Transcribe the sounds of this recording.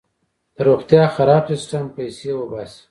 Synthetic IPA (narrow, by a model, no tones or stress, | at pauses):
d̪̥əɾoɣt̪jɑxaɾɑbsɪsʈampajsewəbas